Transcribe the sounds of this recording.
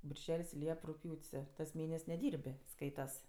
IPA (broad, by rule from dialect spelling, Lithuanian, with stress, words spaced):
bʲɪrʲˈʒʲɛlʲsʲ ˈlʲiɛp rʊkˈpʲjuːtʲsʲ tɐs ˈmʲeːnʲɛsʲ nʲɛˈdʲiːrʲpʲ ˈskɐɪtɐs